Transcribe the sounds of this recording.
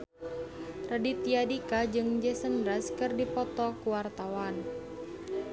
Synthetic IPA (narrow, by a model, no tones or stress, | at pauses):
radit̪iadikad͡ʒɨŋd͡ʒɛsənɾaskɨrdipɔt̪ɔkuwart̪awan